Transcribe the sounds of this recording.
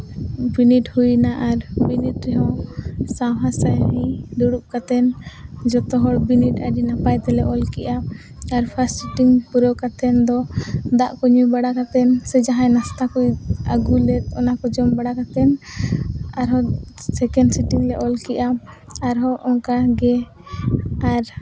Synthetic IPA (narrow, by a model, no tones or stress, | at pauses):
biniʈhujnaʔaɾbinit̚ɾɛɦɔ̃sawɦasajɦĩd̪uɽup̚kat̪ɛnd͡ʒɔt̪ɔɦɔɽbiniʈaɾinapajt̪ɛlɛʔɔlkɛʔa | aɾpʰassiʈiŋpuɾɔkat̪ɛnd̪ɔd̪aʔkɔɲubaɽakat̪ɛnsɛd͡ʒaɦãjnast̪akujaɡulɛt̪̚ɔ̰nakɔd͡ʒɔmbaɽakat̪ɛn | aɾɦɔsɛkɛnɖsiʈiŋlɛʔɔlkɛʔaː | ɾɦɔʔɔŋkaɡɛ | aɾ